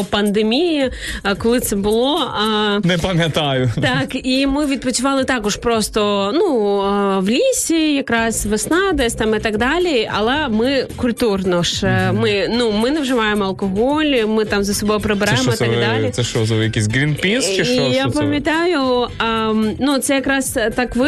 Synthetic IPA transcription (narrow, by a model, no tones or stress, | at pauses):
pɐnd̪emʲiji | kɔlˠɪt̪sɛbʊlˠɔ | nɛpɐmʲjɐt̪ajʊt̪ɑkimɪʋʲid̪̚pɔt͡sʲʊʋɑlˠɪt̪ɑkɔʒpɾɔst̪ɔnu | ʋlʲisʲijɐkɾɑsʲʋesnɑd̪ɐsʲt̪ɑmɪt̪ɑɡd̪ɑlʲiɐlˠɛmɪkʊlʲt̪urnɔʂmɪnumɪnɐwʒɪʋɑjemɔɐlˠkɔɦɔlʲmɪt̪amzɐsɔbɔjʊpɾebɪɾajmɔt̪aɡd̪alʲisɛʃɔzojɐkʲisʲɡɾʲinpʲinst͡ʃɪijapɐmʲjɐt̪ɑjʊ | nut̪sɛjɐkɾɑst̪ɑkʋɪ